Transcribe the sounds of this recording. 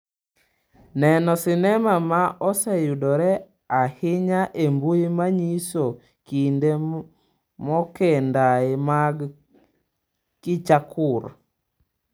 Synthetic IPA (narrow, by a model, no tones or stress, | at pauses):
nɛnɔsɪnɛmamaʔɔsɛjudɔɾɛ | ahɪɲaʔembuimaɲiso | kinde | mɔkɛndaemaɡ | kɪt͡ʃakʰʊɾ